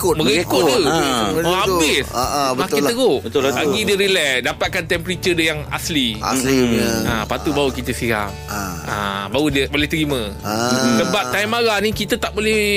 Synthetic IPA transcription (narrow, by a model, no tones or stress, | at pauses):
kməɾikʊdəəabɪsaʔbəakiəɾoʔbəlaɡɡidəɾilɛk̚dapat̪̚kant̪ɛmpɾit͡ʃədəjaŋa̰slia̰sia̰pat̪ubaukit̪əsiɾa̰m | a̰baudəbolɛht̪əɾimə̃dəbaʔt̪ajmaɾanĩkit̪ət̪aʔbolɛh